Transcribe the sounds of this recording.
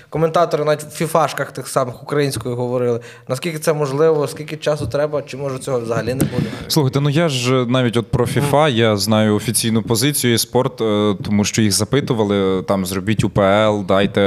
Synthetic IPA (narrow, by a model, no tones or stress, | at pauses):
kɔment̪ɑt̪ɔɾɪnɑʋʲitʲʋwfʲifɑʃkɐxt̪ɪxsɑmɪxʊkɾɐjinʲsʲkɔjiɦɔʋɔɾɪlˠɪ | nɐskʲilʲkʲɪt̪ɛmɔʒlˠɪʋɔskʲilʲkɪt͡ʃɑsʊt̪ɾɛbɐt͡ʃɪmɔʒʊt͡sʲɔɦɔzɐɦɐlʲinɛbud̪ɪslˠuxɐjt̪ɛnujaʒnɑʋʲitʲɔt̪̚pɾɔfʲifɑjaznɑjʊɔfʲit͡sʲijnʊpɔzɪt͡sʲijʊispɔrt̪t̪ɔmuʃt͡ʃɔjixzɐpɪt̪ʊʋɐlˠɪt̪ɑmzrɔbʲitʲupeɛlˠd̪ɑjt̪ɛ